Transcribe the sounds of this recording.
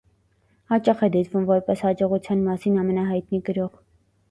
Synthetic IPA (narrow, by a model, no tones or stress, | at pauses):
hɑt͡ʃɑχɛd̪ɛt̪vumvɔɾpɛshɑd͡ʒɔʁut͡sʰjɑnmɑsinɑmɛnɑɦɑjt̪niɡəɾɔʁ